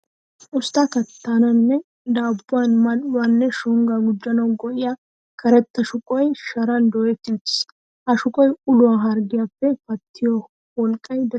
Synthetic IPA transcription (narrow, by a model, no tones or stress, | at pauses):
ʔʊst̪akɐt̪ːanɐnːɛ | d̪aːbːʊanmɐnwanːɛʃʊŋɡaɡʊd͡ʒːɐnɐwɡɔʔɪja | kʰɐɾɛt̪ːɐʃʊkʼɔjʃɐɾɐnd̪ɔːjɛt̪ːɪt̪ | ʔɐʃʊkʼɔjʊlʊwaɦɐɾɡɪjapːɛfɐt̪ʰːɪjɔ | wɔlkʼːɐjd̪ɐ